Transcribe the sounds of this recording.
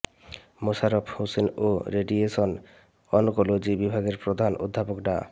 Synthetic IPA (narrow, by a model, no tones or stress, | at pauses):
moʃaɾopʰhosenoɾeɖieʃon | ɔnokolod͡ʑibibʱaɡeɾpɾod̪ʱanʔo̰d̪ʱːapokɖa̰